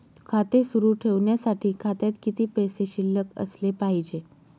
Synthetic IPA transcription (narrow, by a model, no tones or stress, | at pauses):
kʰat̪esuɾuːʈʰeʋɳjasaʈʰiːkʰat̪jat̪kit̪iːpəjseɕilːəkə̰slepaɦid͡ʑe